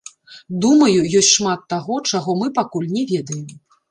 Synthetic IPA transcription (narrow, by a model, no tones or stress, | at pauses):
d̪umɐjujɔsʲtʲʂmat̪ːaɣɔt͡ʂaɣɔmɨpakulʲnʲɛvʲɛd̪ɐjɛm